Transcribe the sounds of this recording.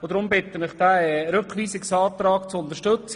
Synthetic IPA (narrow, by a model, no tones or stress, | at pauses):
od̪ɾʊmbɪt̪ːənɪχd̥̪æɾɵkχʋiːsɪksɑːt̪ɾɑːkt͡sʊnt̪əʃtɵt͡s